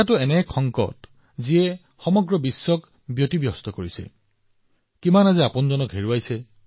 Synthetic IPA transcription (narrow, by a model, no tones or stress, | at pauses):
atʊɛnɛkʰɔŋkɔ̰t | ziɛ | xɔmɔɡɹɔbisːɔk | bjotibjɔstɔkoɹisɛ̰ | kimanazɛapʊnzɔnɔkɦeɹuajsɛ